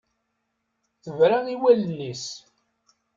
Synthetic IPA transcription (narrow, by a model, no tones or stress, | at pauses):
θəvɾaiwælənːis